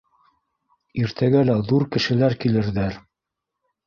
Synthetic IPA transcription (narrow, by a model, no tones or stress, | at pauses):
iɾt̪ʰæɡælæðuɾkɘ̆ʃɘ̆læɾkilɘ̆ɾðæɾ